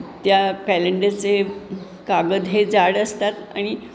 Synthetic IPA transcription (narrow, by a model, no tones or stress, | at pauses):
t̪jakɛleɳɖet͡se | kaɡəd̪ɦed͡zaɽəst̪at̪a̰ɽ̃i